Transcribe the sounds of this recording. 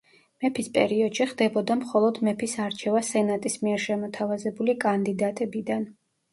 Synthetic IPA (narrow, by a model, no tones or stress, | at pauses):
mɛpʰispʼɛɾiɔd̪̥ʃiχd̪ɛbɔd̪amχɔlˠɔd̪mɛpʰisaɾt͡ʃʰɛvasɛnat̪ʼismiɛɾʃɛmɔt̪ʰavazɛbulikʼand̪id̪at̪ʼɛbid̪an